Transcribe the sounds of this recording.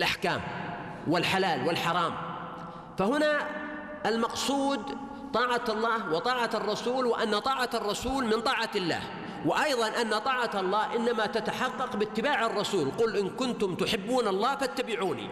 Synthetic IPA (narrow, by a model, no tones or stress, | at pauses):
lʔaħkaːm | wɪlħalaːlwɪlħɑɾˤɑːm | fahʊna | ʔalmɑqsˤuːd̪ | t̪ˤɑːʕaɑlˤːɑːhwɪt̪ˤɑːʕarˤːɑsuːlwɪʔanːat̪ˤɑːʕarˤːɑsuːlmɪnt̪ˤɑːʕalːa̰ːh | wɪʔɑjðˤɑnʔanːat̪ˤɑːʕat̪ɑlˤːɑːhʔɪnːamat̪at̪aħɑqːɑqbɪt̪ːɪbaːʕɑrˤːɑsuːlqʊlʔɪnkʊnt̪ʊmt̪ʊħɪbːuːnɑlˤːɑːfat̪ːabɪʕuːnḭ